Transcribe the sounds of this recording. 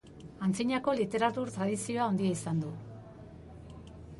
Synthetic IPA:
ant͡siɲako̞lit̪e̞ɾat̪uɾt̪ɾaðisio̞ao̞nd̪ieisand̪u

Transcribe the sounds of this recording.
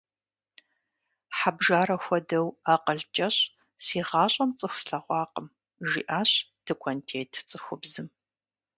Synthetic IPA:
ħabʒaːɾɐxʷɔdɐwaːqəɮt͡ʃʼɐɕ | siːʁɑːɕʼɐmt͡sʼɨxʷsɬɐʁʷɑːqəm | ʒḭːʔaːɕd̥ʰɨkʷʰɔntʰeːtʰt͡sʼɨxʷʊbzɨm

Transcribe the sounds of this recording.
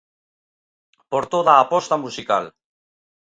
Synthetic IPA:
poɾt̪oðaːpost̪amusikal

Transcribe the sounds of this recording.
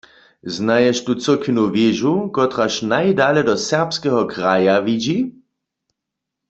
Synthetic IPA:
znajɛʃtut͡səkʰinuvjɪʒukɔt̪ʁaʃnajdalɛdɔsɛʁpskɛɦɔkʁajaʋid͡ʒi

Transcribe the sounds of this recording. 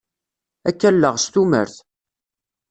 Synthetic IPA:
ækːælːəʁst̪umə̰ɾθ

